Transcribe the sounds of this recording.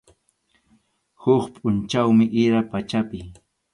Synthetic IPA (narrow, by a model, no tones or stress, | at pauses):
hʊχpʼʊnt͡ʃawmɪʔɪɾapat͡ʃapɪ